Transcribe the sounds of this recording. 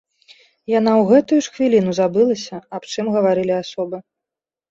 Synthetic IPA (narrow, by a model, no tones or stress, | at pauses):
janawɣɛt̪ujuʂxvʲilʲin̪uzabɨlˠɐsʲɐapt͡ʂɨmɣɐvaɾɨlʲiasɔbɨ